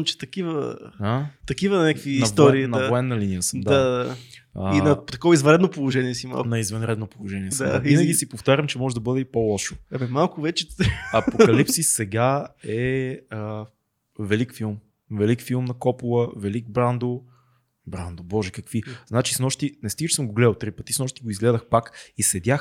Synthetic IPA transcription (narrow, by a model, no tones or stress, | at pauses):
ɐmt͡ʃɛ̥t̪ɐkivə̰at̪ɐkivənʲakvinːɐsvt̪ɔɾiːnɐavoɛnːɐlinijəsəmd̪aaaəinɐt̪ɐkɔvizvɐ̃nɾɛd̪nopolˠoʒɛniɛsima̰lˠknɐizvɐnɾɛd̪nopolˠoʒɛniɛd̪aainəɡ̟isipoft̪aɾʲəmt͡ʃɛmɔʒɛd̪ɐbɤd̪ɛipolˠɔʃo̥ɛbɛmalˠkʊvɛt͡ʃɛɐpokɐlipsisɛɡaɛə | vɛlikfilˠm | vɛlikfilˠmnɐkɔpulˠəvɛliɡ̚bɾand̪o | bɾand̪obɔʒɛkəkviznat͡ʃisnɔʃt̪inɛst̪iɡət͡ʃisəmɡoɡlɛd̪əlˠt̪ɾipət̪isnɔʃt̪iɡoizɡlɛd̪əxpakisɛd̪ʲjax